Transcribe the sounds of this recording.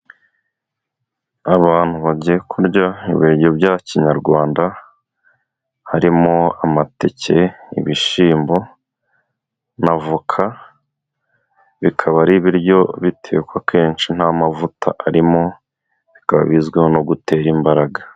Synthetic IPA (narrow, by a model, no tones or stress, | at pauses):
aβaːn̥huβaɟekʰuɾɟaḭβiɾɟobjaciɲaɾɡwaːnda | haɾimo̞amate̞ce̞ḭβiʃiːmbo̞ | navukʰa | βikʰaβaɾiβiɾjo̞βitʰe̞̰ːkwake̞ːnt͡ʃin̥hamavutʰa̰ʔaɾimo̞ | βikaβa̰βizɡwehonoɡute̞ɾimbaɾaɡa